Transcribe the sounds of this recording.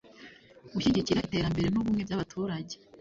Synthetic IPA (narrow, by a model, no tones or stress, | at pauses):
ɡuʃiɟiciɾaite̞ːɾambe̞ɾe̞nuβumŋe̞bjaβatʰuːɾaɟe